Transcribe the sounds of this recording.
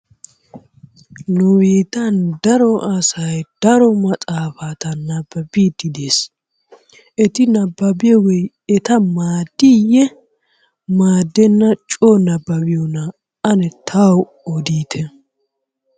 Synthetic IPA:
nʊweːt̪ɐnd̪ɐɾɔʔɐsɐjd̪̥ɐɾɔmɐt͡sʼaːfaːt̪ɐnɐbːɐbiːd̪ɪd̪eːs | ɛt̪ɪnɐbːɐbɪjɔwɛj | ɛt̪ɐmaːd̪ːijɛ | maːd̪ːɛnːɐt͡ʃʼonɐbːɐbɪjɔnɐ | ɐnɛt̪ʰaw | ɔd̪iːt̪ʰɛ

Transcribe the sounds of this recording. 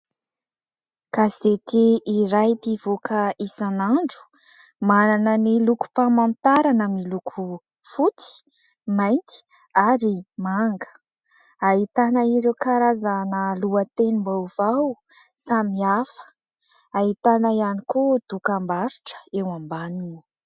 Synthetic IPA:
kazet̪eiɾajpiv̥okʰəisanaɳɖ͡ʐu̥ | mananəniluku̥pamant̪aɾanəmilukʰu | fut̪i̥ | majnt̪i̥ | aɾimaŋɡə̥ | ait̪anəiɾewkaɾazanəluət̪enimbawv̥aw | samiafə̥ | aɦit̪anəianikod̪̥ukambaɾu̥ʈ͡ʂə̥ewambaninu

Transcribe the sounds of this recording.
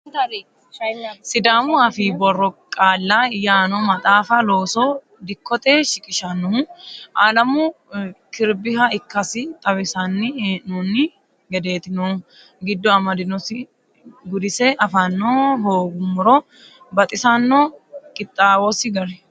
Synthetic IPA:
sɪd̪aːmʊɐfiːbɔrːɔkʼaːlːɐjaːnɔmɐt̪ʼaːfɐloːsɔ | d̪ɪkːɔt̪ʼɛːʃɪkʼɪʃɐnɔʔalɐmʊkɪɾbɪɦɐɪkːɐsɪt̪ʼɐwɪsɐnːɪːʔnuːnːɪ | ɡɛd̪e̞ːt̪ɪno | ɡɪd̪ːɔɐmɐd̪ɪnɔsɪ | ɡʊd̪ɪsɛʔɐfɐnːoɦoːɡʊmːʊɾɔ | bɐt̪ʼɪsɐnːɔkʼɪt̪ʼːaːwɔsɪɡɐɾɛ

